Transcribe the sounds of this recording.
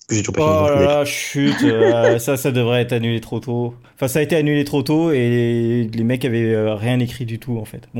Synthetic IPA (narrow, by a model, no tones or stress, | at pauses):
kəʒet̪yʒuʁpɛɔlalaʃyt̪øsasad̪əvʁɛɛt̪χanylet̪χot̪oɑ̃fɛ̃saːet̪eanylet̪χot̪oelemɛkavɛøʁjɛ̃nekχid̪yt̪ʰuɑ̃fɛt̪bɔ̃